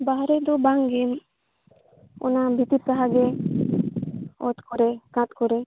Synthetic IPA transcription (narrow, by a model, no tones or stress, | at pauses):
baɦɾed̪ubaŋɡin | ɔ̰nabʱit̪iɾsaɦaɡe | ɔ̰t̪kɔɾekãt̪kɔɾe